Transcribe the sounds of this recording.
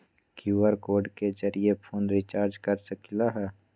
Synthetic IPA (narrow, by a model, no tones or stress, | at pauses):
kjuwəɾkoːɾɖked͡ʒəɾijepʰoːnɾɪt͡ʃaːɾd͡ʒkəɾsəkilaɦɛː